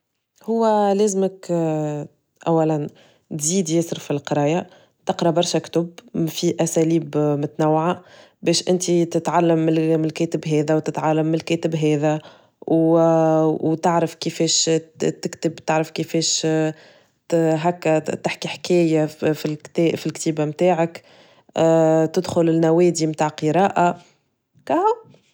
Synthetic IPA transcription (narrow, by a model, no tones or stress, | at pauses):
hʊwːælɛːzmək | ʔæwːælæn | t̪ziːd̪jæːsɪɾfilqɾˤɑːja | t̪ɪqɾˤɑbɑɾˤʃakt̪ʊbfiʔæsæliːbmʊt̪nawːʕa | bɛːʃʔɪnt̪it̪ɪt̪ʕalːamːɪlmɪlkɛːt̪ɪbɦɛːðæwt̪ɪt̪ʕalːamːɪlkɛːt̪ɪbɦɛːðæ | w | wt̪ɪʕɾəfkifɛːʃt̪ɪkt̪ɪbt̪ɪʕɾəfkifɛːʃ | ɦækːæt̪ɪħkiħkɛːjafilkt̪ːfilkt̪iːbamt̪aːʕɪkː | t̪ɪd̪xʊlɪlnæwɛːd̪imt̪aːʕqəɾˤɑːʔa | kæha